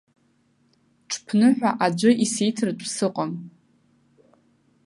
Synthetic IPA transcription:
ʈ͡ʂʰpʰnɨħʷᶣaʔad͡ʒʷʊʔisejtʰrdʷʼsɨqʷʼam

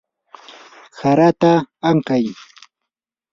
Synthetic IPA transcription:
saɾat̪aːŋkaj

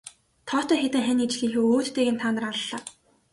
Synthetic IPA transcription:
t̪ʰɔːt̪ʰœːxet̪ɘ̆ŋxænit͡ɕɮiːŋxuːoːt̪ːeːɣeːnt̪ʰawnə̆raɮːaː

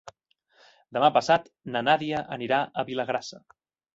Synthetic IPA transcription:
d̪əmapəsat̪ | nənaðiəʔəniɾaʔəβiləɣɾasə

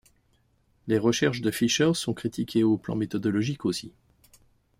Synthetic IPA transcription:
leʁəʃɛʁʃd̪əfiʃœʁsɔ̃kχit̪ʰikʲeoplɑ̰̃met̪ɔd̪ɔlɔʒikosi

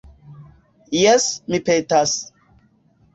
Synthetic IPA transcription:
jɛsmipetas

